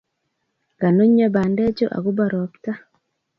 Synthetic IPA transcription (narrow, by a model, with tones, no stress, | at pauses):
ɡ̥a˨no˦ɲːa˦ba˨ndɛ˦d͡ʒo˦ʔa̰˨ɡu˦ba˨ɾɔ˨kta˦